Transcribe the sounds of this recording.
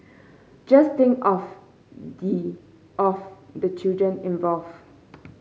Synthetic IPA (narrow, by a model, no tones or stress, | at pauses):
d͡ʒast̪ɪ̃ŋkɔf | di | ɔfd̪ət͡ʃildɹə̃nĩnvɔlv